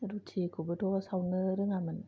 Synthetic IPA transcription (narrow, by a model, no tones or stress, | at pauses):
ɾutʰikʰubɯtʰosawnɯɾɯŋaman